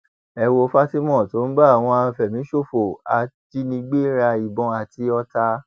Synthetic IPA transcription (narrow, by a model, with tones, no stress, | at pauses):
ɛ˧wo˧fa˦ti˦mɔ̃˦˨to˨˦n̩˦ba˦˨w̃ɔ̃˧a˧˨fɛ˨mĩ˨˦ʃo˦˨fo˨a˨ti˧nĩ˧ɡ͡be˦ɾa˧i˨bɔ̃˧˦a˧˨ti˧ɔ˧ta˧